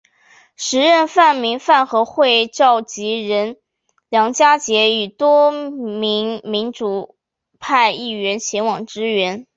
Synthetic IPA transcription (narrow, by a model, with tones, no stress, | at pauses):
ʂɻ̩˧˥ɻə˥˧nfa˥˩nmi˧˥ŋfa˥˩nxɤ˧˥xwe˥˧ɪʈ͡ʂɑ˥˩ʊt͡ɕi˧˥ɻə˧˥n | ljɑ˧˥ŋt͡ɕja˥t͡ɕjɛ˧˥y˨˩t̪wɔ˥mi˧˥ŋmi˧˥nʈ͡ʂu˨˩ | pʰa˥˧ɪi˥˩ɥɛ˧˥nt͡ɕʰjɛ˧˥nwɑ˨˩ŋʈ͡ʂɻ̩˥ɥɛ˧˥n